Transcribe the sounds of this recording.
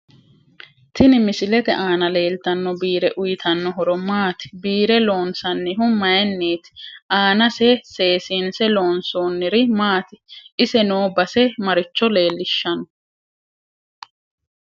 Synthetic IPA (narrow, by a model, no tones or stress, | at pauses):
t̪ɪnɪmɪsɪlɛt̪ɛʔaːnɐle̞ːlt̪ɐnːɔbiːɾɛʔʊjɪt̪ʰɐnːɔɦɔɾɔmaːt̪ɪ̥biːɾɛlo̞ːnsɐnːɪɦʊmɐjɛnːiːt̪ɪ̥ʔaːnɐsɛseːsiːnsɛlo̞ːnsoːnːɪɾɪmaːt̪ɪʔɪsɛnoːbɐsɛmɐɾɪt͡ʃːɔle̞ːlːɪʃːɐnɔ